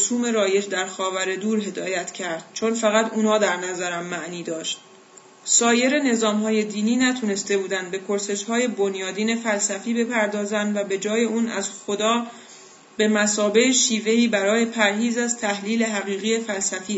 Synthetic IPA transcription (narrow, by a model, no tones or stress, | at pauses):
osuːme̞ɾɒːje̞d͡ʒd̪æɾxɒːvæɾe̞d̪uːɾɦe̞d̪ɒːjæt̪ʰcʰæɾd̪̥̚t͡ʃʰo̞nfæɣæt̪ʰuːnɒːd̪æɾnæzæɾæmːæʔniːd̪ɒːʃt̪̚ | sɒːje̞ɾe̞ne̞zɒːmɦɒːje̞d̪iːniːnæt̪ʰuːne̞st̪e̞buːd̪ænd̪̚be̞kʰoɾse̞ʃhɒːje̞bo̞njɒːd̪iːne̞fælsæfiːbe̞pʰæɾd̪ɒːzænd̪væbe̞d͡ʒɒːje̞uːnæ̰zxo̞d̪ɒː | b̥e̞mæsɒːbe̞heʃiːve̞iːbæɾɒːje̞pʰæɾɦiːzæzt̪ʰæhliːle̞ɦæɣiːɣijefælsæfiː